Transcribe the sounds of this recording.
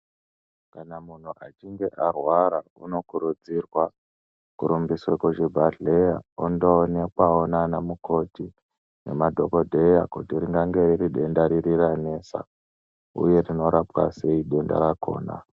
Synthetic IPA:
kanamun̤uʔat͡ʃiŋɡe̞ʔarwaɾauno̞kuɾud͡zirwa | kuɾumbiswekuʒebʱaɬeja̰ondoːnekwaonanamuko̞ti | ne̞̰madʱo̞ko̞dʱe̞ja̰kutiɾiŋɡaŋɡe̞ririɗe̞ndaɾiriɾane̞ːsa̰ | ṵje̞rino̞ɾapwa̰se̞iɗe̞nda̰ɾako̞̰ːna̰

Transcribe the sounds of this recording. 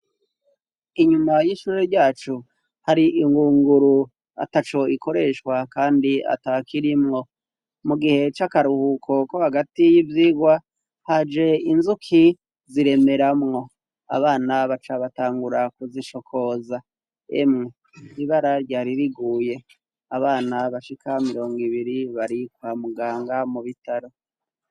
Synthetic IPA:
iɲumajiʃuːɾeɾɟaːt͡ʃu | haɾiʔiŋɡuːŋɡuɾu | a̰tat͡ʃo̞iko̞ɾe̞ʃkwakaːndia̰takiɾimŋo̞ | muɡihe̞t͡ʃakaɾuhukʰo̞kohaɡatijivjiːɡwa | had͡ʒe̞inzukʰi | ziɾe̞me̞ɾamŋo̞ | a̰βaːnaβat͡ʃaβataːŋɡuɾakuziʃo̞kʰo̞za | ḛmŋe | iβaɾaɾjɟaːɾiɾiɡuːje̞ | aβaːnaβaʃikʰamiɾo̞ːŋɡiβiɾiβaɾikwaːmuɡaːŋɡamuβitaɾo̞

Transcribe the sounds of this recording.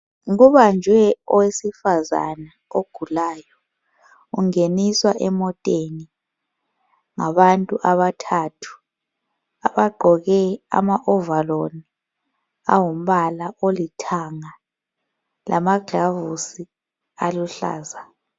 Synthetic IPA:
ɣuβand͡ʒʱwɛɔwesifaza̰na | oɡ̥ʱulaːjɔ | uŋeniswaʔɛmɔtʼeni | ŋaβantʼuʔaβatʰatʰu̥ | aβaɡ͡ǃʱɔɣɛa̰maʔɔvaloni | awum̩βalaʔolitʰaŋa | lʔamaɡʱavusi | aluɬa̰ːza

